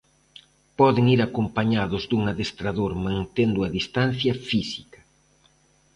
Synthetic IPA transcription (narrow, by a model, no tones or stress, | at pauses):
pɔðɪŋiɾakompaɲaðʊzd̪uŋaðest̪ɾaðoɾmãnt̪end̪ʊɐðist̪an̟θjɐfisi̥kɐ̥